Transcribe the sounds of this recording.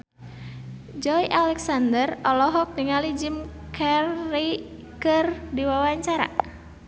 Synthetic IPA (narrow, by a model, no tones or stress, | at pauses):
d͡ʒɔjʔalɛksandərɔlɔɦɔk̚niŋalid͡ʒimkʰɛrːi | kɨrdiwawaɲt͡ʃaɾa̰